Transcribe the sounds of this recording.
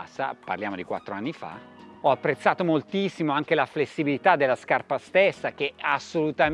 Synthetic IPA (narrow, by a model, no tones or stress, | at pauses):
sa̰pa̰rljaːmod̪ikwa̰t̪ːɾoanːifa̰ɔapːɾet̪sːaːt̪omolt̪isːimoaŋk̟elaflesːibilit̪ad̪ːelːaskarpast̪esːak̟easːolut̪a